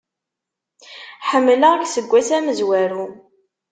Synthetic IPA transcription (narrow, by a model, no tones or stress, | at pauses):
ħəmːləʁksəɡʷːæsæməzwæɾu